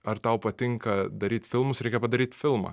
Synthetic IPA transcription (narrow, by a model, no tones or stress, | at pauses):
ɐɾt̪ɐʊpɐt̪ʲɪŋkɐd̪ɐɾʲiːt̪ʲfʲɪlˠmʊsɾʲɛɪkʲɛpɐd̪ɐɾʲiːt̪ʲfʲɪlˠmɐ̰ː